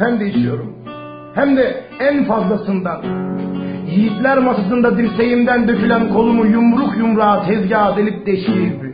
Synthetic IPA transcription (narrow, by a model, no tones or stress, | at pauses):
hæmd̪eit͡ʃʰijo̞ɾum | hæmd̪ɛ | ænfazlˠasɯnd̪a | jijit̪lʲæɾmasas̬ɯnd̪ad̪ilʲse̞jimd̪ænd̪øfylʲænkʰo̞lˠumujumɾukjumɾaːt̪ʰɛzɟaːd̪elʲip̚d̪ɛʃliib